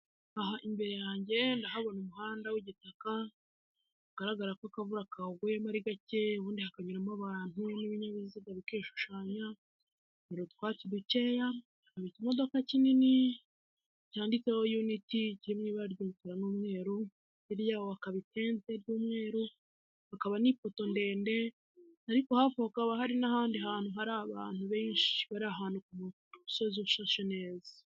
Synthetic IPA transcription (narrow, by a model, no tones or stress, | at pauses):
aɦaʔimbe̞ɾe̞jaːɲɟe̞ndaɦaβo̞numuhaːndawiɟitaka | aɡ̥aɾaɡaɾakoakavuɾakauɡujemaɾiɡace̞wuːndihakaɲuɾamaβaːn̥uniβiɲaβiziɡaβikeːʃu̥ʃaːɲa | niɾotkwaːciduce̞ːja | haβicimo̞d̪o̞kacinini | caːndit͡seho̞juniticiimŋiβaɾɟukiɾanuːmŋe̞ːɾu | iɾjaːβoakaβitʰe̞ːnze̞ɾjuːmŋe̞ːɾu | akaβanipoto̞nde̞ːnde̞ | aɾikohafokaβaɦaɾinahaːndiɦaːn̥huɦaɾaβaːn̥huβe̞ːɲʃi̥βaɾaɦaːnukumu | usozuʃaʃone̞ːzḁ